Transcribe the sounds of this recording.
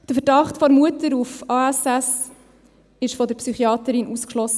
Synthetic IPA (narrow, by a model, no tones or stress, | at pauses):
d̥əfəɾdɑχtfɔɾmuətəɾufɑːæsæs | ɪʃfɔdəɾpsyχiɑːtəɾɪnʔuskʃlɔsːə